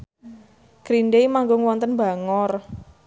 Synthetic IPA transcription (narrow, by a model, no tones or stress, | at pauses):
ɡ̥ɾinɖeimaŋɡʊŋwɔnt̪ənba̤ŋɔr